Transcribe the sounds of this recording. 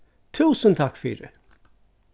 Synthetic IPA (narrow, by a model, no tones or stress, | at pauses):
t̪ʰʉːsənt̪ʰɑkfy̰ːɾə